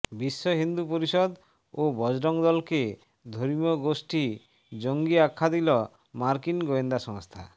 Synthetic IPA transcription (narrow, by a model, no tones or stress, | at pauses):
bisːɔɦind̪upoɾisɔd̪ | obɔd͡ʒɖɔŋd̪ɔlɔke | d̪ʱoɾimjɔɡosʈi | d͡ʒoŋɡiakʰːad̪ilɔ | maɾkinɡoend̪asɔŋst̪ʰa̰